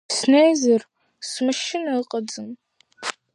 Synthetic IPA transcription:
snejzɨr | smɨʃɪnɐqʼɐd͡zɨm

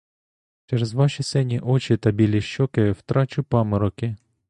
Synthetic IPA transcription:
t͡ʃɛɾezʋɑʃisɛnʲiʔɔt͡ʃɪt̪ɐbʲilʲiʃɔkɪwt̪ɾɑt͡ʃʊpɑmɪɾɔkɪ

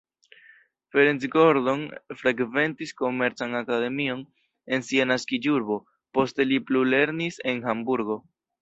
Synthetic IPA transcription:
fe̞ɾent͡sɡo̞ɾdo̞nfɾeɡve̞ntisko̞me̞ɾt͡sanakade̞mio̞n | e̞nsianaskid͡ʒuɾbo̞ | po̞ste̞liplule̞ɾnise̞nhambuɾɡo̞

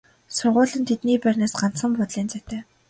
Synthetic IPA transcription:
sʊrʁʊːɮə̆nt̪ʰet̪niːpærʲnaːsɢan̥t͡ssə̆mpɔt̪ɮiːnt͡sæt̪æː

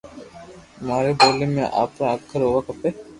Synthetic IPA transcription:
maːɾeboːlemḛ̃ʔa̰ːpɾaakʰːəɾɦoːʋakəpe

